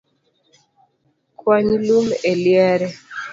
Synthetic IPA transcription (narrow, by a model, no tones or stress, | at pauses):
kʰwaɲlumeljɛɾɛ